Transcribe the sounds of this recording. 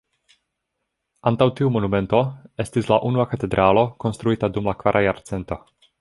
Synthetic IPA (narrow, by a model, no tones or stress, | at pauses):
antawtiumo̞nume̞nto̞e̞stislaʔunuakate̞dɾʔalo̞ko̞nst̪ɾuitadumlakvaɾʔajaɾt͡se̞nto̞